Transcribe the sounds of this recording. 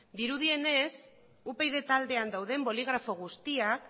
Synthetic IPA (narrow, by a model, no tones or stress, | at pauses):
d̪iɾuð̞ie̞ne̞s | upe̞jðe̞t̪ald̪e̞and̪awðe̞mbo̞liɣ̞ɾafo̞ɣ̞ust̪iak